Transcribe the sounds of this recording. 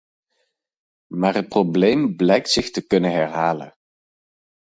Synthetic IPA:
maːɹɦət̚problejmblɛjk̚tsɪχtəkɵnənɦɛɹɦaːlə̰n

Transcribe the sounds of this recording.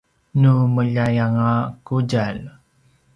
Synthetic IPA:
numəʎajaŋakud͡ʒal

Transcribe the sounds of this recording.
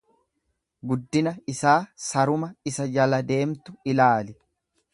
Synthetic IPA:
ɡʊd̪ːɪnɐɪsaːsɐɾʊmɐɪsɐd͡ʒɐlɐd̪e̞ːmt̪ʊɪlaːlɪ

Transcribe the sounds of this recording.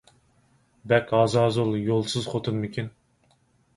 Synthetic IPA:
bɛkʲɑːzɑːzolˠjolˠsɨz̥χot̪ʰɨnmɪkʲʰin

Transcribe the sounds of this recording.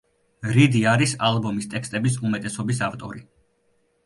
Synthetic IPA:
ɾid̪iaɾisalˠbɔmist̪ʼɛkst̪ʼɛbisumɛt̪ʼɛsɔbisaft̪ʼɔ̰ɾi

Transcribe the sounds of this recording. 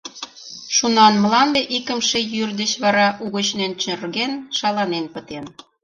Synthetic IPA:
ʃunɑnməlɑnd̪eʔikə̆mʃejyrd̪ət͡ɕβɑɾɑʔuɣə̆t͡ɕnent͡ɕørɣenʃɑlɑnenpə̆t̪en

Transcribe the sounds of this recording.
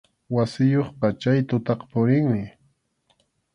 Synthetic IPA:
wasɪjoχpɑt͡ʃajt̪ʊt̪ɑqpʊɾɪŋmɪ

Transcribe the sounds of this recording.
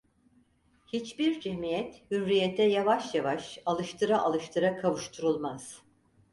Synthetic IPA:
hit͡ʃbiɾd͡ʒemijɛt̪hyɾːijet̪ʰɛjavaʃjavaʃalˠɯʃt̪ʰɯɾaʔalˠɯʃt̪ʰɯɾakʰavɯʃt̪ʰuɾulˠmaz̥

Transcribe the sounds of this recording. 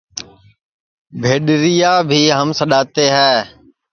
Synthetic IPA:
bʱeːɗɾɪjaːbʱiːɦəmsəɗaːt̪eːɦɛː

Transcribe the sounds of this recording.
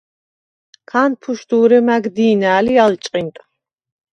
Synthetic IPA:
kʰaːnpʰuʃd̪uːɾɛmaɡd̪iːnaːlialt͡ʃʼqʼint̪ʼ

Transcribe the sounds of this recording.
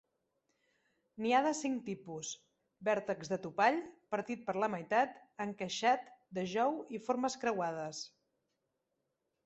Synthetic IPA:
niaðəsiŋt̪ipus | bɛɾt̪əkzðət̪upaʎpəɾt̪it̪̚pəɾləməjt̪at̪əŋkəʃat̪d̪əʒɔwifoɾməskɾəwað̞əs

